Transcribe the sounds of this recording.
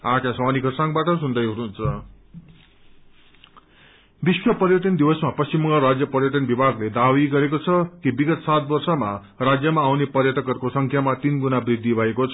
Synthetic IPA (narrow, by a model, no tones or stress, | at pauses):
akasʌwanikʌsãŋbaʈʌsund̪ʌjɦuɾunt͡sʰʌ | biswʌpʌrjʌʈʌnd̪iwʌsmapʌst͡ɕimːʌŋʌɾad͡zjʌpʌrjʌʈʌnbibʱaɡled̪awiɡʌɾekot͡sʰʌkibiɡʌt̪sat̪̚bʌrsʌma | rad͡zjʌmaːwnepʌrjʌʈ̪ʌkʌrkosʌŋkʰjamat̪inɡunabrid̪ʱːibʱʌekot͡sʰʌ